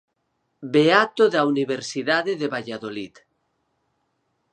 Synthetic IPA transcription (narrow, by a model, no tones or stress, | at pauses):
beat̪oðauniβeɾsiðaðeðeβaʎaðolit̪